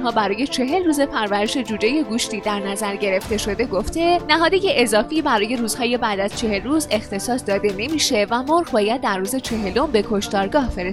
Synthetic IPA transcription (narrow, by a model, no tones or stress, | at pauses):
nhɒːbæɾɒːje̞t͡ʃʰe̞ɦe̞lruːze̞pʰæɾvæɾe̞ʃe̞d͡ʒuːd͡ʒe̞je̞ɡuːʃt̪iːd̪æɾnæzæɾɟe̞ɾe̞ft̪e̞ʃo̞d̪e̞ɡoft̪e̞næɦɒːd̪eje̞ʔezɒːfiːbæɾɒːje̞ɾuːz̥hɒːje̞bæːd̪æz̥t͡ʃʰe̞he̞lruːze̞xt̪e̞sɒːsd̪ɒːd̪e̞ne̞miːʃe̞væmoɾɣbɒːjæd̪̚ːæɾrːuːze̞t͡ʃʰe̞ɦe̞lo̞mbe̞kʰo̞ʃt̪ɒːɾɡɒːhfeɾes